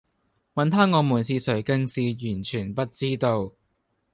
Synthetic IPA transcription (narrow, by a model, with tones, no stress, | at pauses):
mɐ˨nt̪ʰaː˥ŋɔː˨˧muː˨˩nsʰiː˧sɵ˨˩ɥkɐ˨˧nsiː˨jyː˨˩nt͡ʃʰyː˨˩npɐ˥t̚t͡siː˥t̪o˧w